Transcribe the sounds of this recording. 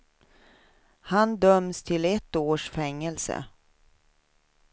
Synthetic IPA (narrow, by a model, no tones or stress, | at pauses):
hand̪œmst̪ʰɪlɛt̪ːoːʂfɛŋːɛlsə̰